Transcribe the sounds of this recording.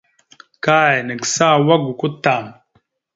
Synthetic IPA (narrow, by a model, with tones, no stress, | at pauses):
ka˦˨jɛ˨nə˨ksa˦˨wa˦ɡu˨ku˦ta˨m